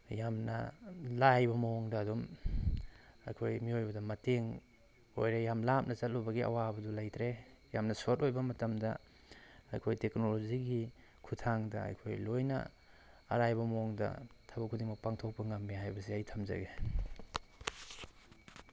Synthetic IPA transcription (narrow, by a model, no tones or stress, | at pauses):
jamnɐ̰lajbɐmooŋdɐːdum | ɐ̰jkʰojmiojbɐdɐmɐteŋ | o̰jɾejamlap̚nɐt͡ʃɐt̚lowbɐɡiɐ̰wabɐdulajtʰɾe | jamnɐsotojbɐmɐtɐmdɐ | ɐ̰jkʰojteknoloziɡi | kʰutʰaŋdɐ̰ɐ̰jkʰojlojnɐ̰ː | ɾajbɐmooŋdɐ̰tʰabɐkʰudiŋmɐk̚paŋtʰok̚pɐŋamːiɦajbɐsiɐjtʰɐmzɐ̰ɡe